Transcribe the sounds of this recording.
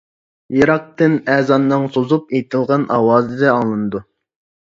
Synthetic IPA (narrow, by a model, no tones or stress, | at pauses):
jeɾɑq̚t̪ɨnɛːzɑnːɨŋsozup̚ejt̪ʰɨlˠʁɑnʔɑ̰wɑːzɨd̪ɛɑŋlˠɨnɨd̪u